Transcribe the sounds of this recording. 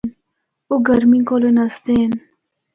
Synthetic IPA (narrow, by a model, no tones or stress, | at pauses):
n | uɡɐɾmiŋkolenɐst̪en